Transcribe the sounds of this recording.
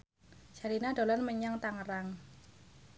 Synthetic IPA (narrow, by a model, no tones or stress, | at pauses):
d͡ʒaɾinad̥̪o̤lanməɲaŋt̪aŋəɾaŋ